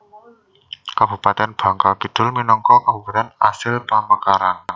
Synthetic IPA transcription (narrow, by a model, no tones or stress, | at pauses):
kab̥ṳpat̪ɛnb̥ä̤ŋkakid̪̥ʊ̤lminɔŋkɔkabupat̪ɛnasɪlpamakaɾan